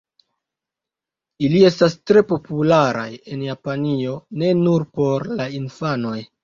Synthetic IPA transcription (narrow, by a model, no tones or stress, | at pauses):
ilie̞stastɾe̞po̞pulaɾa̰je̞njapanio̞ne̞nuɾpo̞ɾlainfano̞j